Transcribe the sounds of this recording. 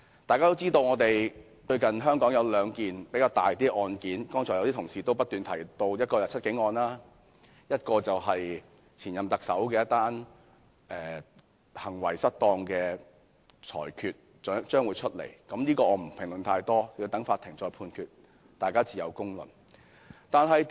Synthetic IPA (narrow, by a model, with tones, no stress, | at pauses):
t̪aː˨kaː˥t̪o˥wt͡siː˥t̪o˧wŋɔː˨˧t̪e˨j | t͡ʃɵ˧ɥkɐ˨nɦœː˥ŋkɔː˨˥ŋjɐ˨˧wlœː˨˧ŋkiː˨npe˨˥jkaː˧wt̪aː˨jt̪iː˥ʔɔː˧nkiː˨˥nkɔː˥ŋt͡ʃʰɔː˨˩jt̪i˥t̪ʰʊ˨˩ŋsiː˨t̪o˥wp̬ɐ˥t̚t̪yː˨nt̪ʰɐ˨˩jt̪o˧wjɐ˥t̚kɔː˧jɐ˨t͡sʰɐ˥t̚kɪ˨˥ŋːɔː˧nlaː˥ | jɐ˥t̚kɔː˧t͡sɐ˨wɦɐ˨j | t͡sʰiː˨˩njɐ˨mt̪ɐ˨k̚sɐ˨˥wkɛː˧jɐ˥t̪̚aː˥n | ʔɛː˨ | hɐ˨˩ŋwɐ˨˩jsɐ˥t̚t̪ɔː˧ŋkɛː˧ | t͡sʰɔ̰ː˨˩jkʰyː˧t̚ | t͡ʃœː˨˥ŋt͡ʃœː˥ŋwuː˨˧jt͡ʃʰɵ˥t̚lḛ˨˩jkɐ˨˦mniː˥kɔː˧ɔː˨˧m̩˨˩pʰɪ˨˩ŋlɵ˨˩nt̪ʰaː˧jt̪ɔː˥˧˩t̪ɐ˨˥ŋfaː˧t̪ʰːɪ˨˩ŋt͡sɔː˧jpʰuː˧nkʰyː˧t̚ | t̪aː˨jkaː˥t͡siː˨˩jɐ̰˨˧wkʊ˥ŋlɵ̰˨˩n | t̪aː˨nɦɐ˨jt